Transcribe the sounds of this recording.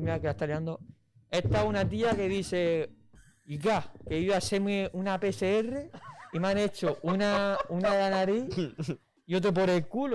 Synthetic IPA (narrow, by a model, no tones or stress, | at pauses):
miakelaet̪aleand̪o | eht̪aunat̪̬iake̞ðiθe | ikakeiβasemeunapeseereimãne̞t͡ʃoʔunaunaðelanaɾi | io̞t̪̬ɾop̬oɾelkulo